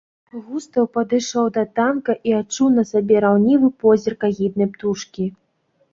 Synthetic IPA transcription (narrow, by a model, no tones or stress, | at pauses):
ɣust̪ɐwpɐd̪ɨʂɔwd̪ɐt̪ankɐʔiat͡ʂuwnɐsabʲɛɾawnʲivɨpɔzʲirkaɣʲid̪nɐjpt̪uʂkʲi